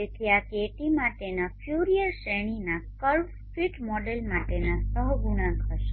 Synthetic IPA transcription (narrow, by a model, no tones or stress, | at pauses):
ekiakeʈimaʈenafʰjuɾijəɾʃeɳ̃inakəɭʋ | fiʈmɔɖelmaʈenasəɦɡuɽ̃ãŋkəʃe